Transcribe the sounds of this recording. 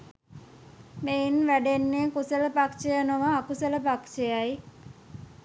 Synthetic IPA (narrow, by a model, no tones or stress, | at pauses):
meinʋæɖenːeːkusələpakʃejənoʋəːkusələpakʃejaj